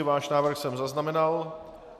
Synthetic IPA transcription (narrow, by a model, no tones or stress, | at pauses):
ɪvaːʃnaːvr̩xsɛmzaznamɛnal